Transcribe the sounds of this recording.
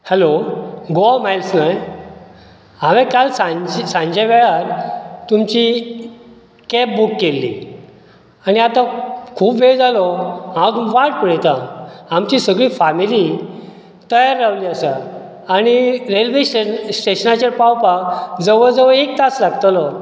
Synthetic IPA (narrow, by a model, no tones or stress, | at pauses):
hɛloɡomajlsnaj | amekalsãd͡ʑsãɲd͡ʑeʋɛɭaɾt̪umt͡ɕi | kɛp̚bukːelːḭ | aɽ̃iat̪akʰuːpʋeɭd͡zalɔãat̪ʋaʈ̚pəɽɛt̪aamt͡ɕisəɡɭiːfamili | t̪əjaɾːaʋliːasə | aɽ̃iɾelʋesnsʈeɕənat͡ɕeɾpawpakd͡zəʋəd͡zəʋəek̚t̪at͡slaɡt̪alɔ